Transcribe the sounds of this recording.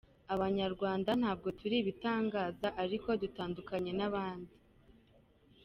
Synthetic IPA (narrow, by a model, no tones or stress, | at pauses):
aβaɲaɾɡwaːndan̥haːb̚ɡo̞tʰuɾiβitaːŋɡaːzaʔaɾiko̞dutaːndukaɲe̞naβaːndi